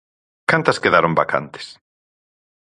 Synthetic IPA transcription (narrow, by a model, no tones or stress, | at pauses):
kant̪ɐskeðaɾomba̰kʰa̰nt̪e̥s